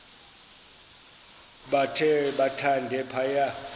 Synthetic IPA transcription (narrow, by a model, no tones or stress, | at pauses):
ɓatʰɛɓatʰandʱɛpʰaja